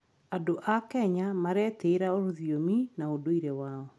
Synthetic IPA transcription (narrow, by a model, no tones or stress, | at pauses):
adoʔakɛɲamaɾɛteɾaoɾoðiominaodoiɾewaːɔ